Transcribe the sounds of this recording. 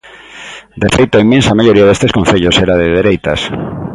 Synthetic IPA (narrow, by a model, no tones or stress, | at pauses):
d̪efejt̪ʊaimẽnsɐmaʎoɾiaðest̪eskõn̟θeʎoseɾaðeðeɾejt̪ɐs